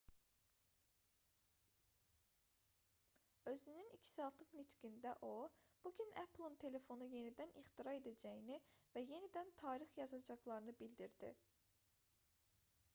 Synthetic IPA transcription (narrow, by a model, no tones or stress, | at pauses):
ø̞zynynicʰi̥sɑlˠt̪ʰɯklit̪ʰɡind̪æʔob̥uɟʲynæpʰlˠint̪ʰe̞le̞fo̞nuje̞nid̪æniχt̪iɾɑe̞d̪æd͡ʒæjinivæje̞nid̪ænt̪ʰɑːɾiχjɑzɑd͡ʒɑɣlˠɑɾɯnɯbild̪iɾd̪̥ḭ